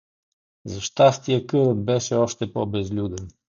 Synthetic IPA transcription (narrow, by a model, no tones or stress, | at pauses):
zəʃt̪ast̪jɛkədət̪̚bɛʃɛɔʃt̪ɛpɔbɛzlud̪ən